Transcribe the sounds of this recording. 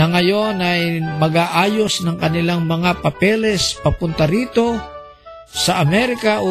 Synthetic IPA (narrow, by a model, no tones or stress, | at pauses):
ɐŋɐjo̞nɐjmɐɡaːʔaːjo̞snɐŋkɐnɪlaŋmɐŋapɐpɛlɛspɐpʊnt̪ɐɾiːt̪o̞ | sɐʔɐmɛɾɪkaʔo